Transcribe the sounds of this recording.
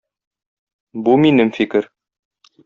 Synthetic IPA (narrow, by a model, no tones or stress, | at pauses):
buminɘmfikɘɾ